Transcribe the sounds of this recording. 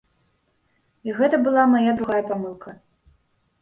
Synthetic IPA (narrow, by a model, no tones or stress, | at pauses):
iɣɛt̪ɐbɨlˠamajad̪ɾuɣajɐpamɨlˠkʰɐ